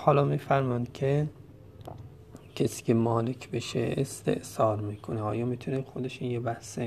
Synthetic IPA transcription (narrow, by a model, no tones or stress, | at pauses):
hɒːlɒːmiːfæɾmɒnd̪̥kʲʰe | cʰesi̥ːkʲʰemɒːlekʰbeʃḛest̪e̞̰ʔsɒːɾmiːkʰoneɒːjɒːmit̪ʰunexod̪e̞ʃinjebæhse